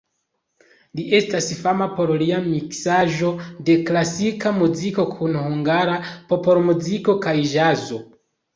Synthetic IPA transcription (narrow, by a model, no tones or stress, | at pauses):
liʔe̞stasfamapo̞ɾliamiksaʒo̞de̞klasikamuziko̞kʰunhuŋɡaɾapo̞po̞ɾmuziko̞kajʒazo̞